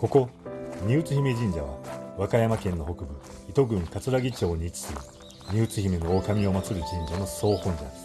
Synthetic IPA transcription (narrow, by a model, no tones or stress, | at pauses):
ko̞ko̞ɲʲɨːt͡sɨçimed͡ʑĩɲ̟d͡ʑaβa̰βakajamakẽ̞nːo̞ɦo̞kɯ̟bɯ̟it̪o̞ɡɯ̟̃ŋkat͡sɨɾaɡʲit͡ɕo̞ːɲ̟it͡si̥sɨi | ɲ̟ɨːt͡sɨçime̞nookamʲio̞mat͡sɨɾɯd͡ʑĩɲ̟d͡ʑano̞so̞ːhõɲ̟d͡ʑa̰